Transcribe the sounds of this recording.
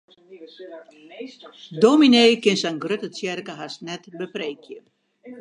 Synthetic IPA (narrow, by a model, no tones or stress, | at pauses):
domineːkɪnsɛnɡrøtət͡sjɛrkəɦasnɛtbəprejkjə